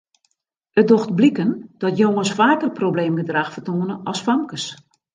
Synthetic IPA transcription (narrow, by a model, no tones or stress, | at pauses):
ət̚doxtblikənd̥ɔtjoŋəsfaːkərprobleːmɡədraxfərtoənəʔɔsfamkəs